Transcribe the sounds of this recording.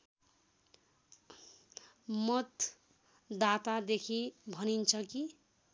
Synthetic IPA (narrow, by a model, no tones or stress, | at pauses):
mʌt̪ | d̪at̪ad̪ekʰibʱʌnint͡sʰʌki